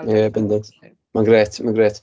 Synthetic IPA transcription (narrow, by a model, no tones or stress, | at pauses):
ɛbɛndɛn | manɡɾɛːtmanɡɾɛːt